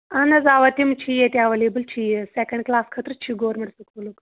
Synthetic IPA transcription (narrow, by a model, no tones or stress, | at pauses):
ɐnɐzaːʋɐt̪imt͡ʃʰijet̪iaʋelebɨlt͡ʃʰijesekəɳɖklaːskʰət̪ɾɨt͡ʃʰiɡoːɾmiɽsukmuluk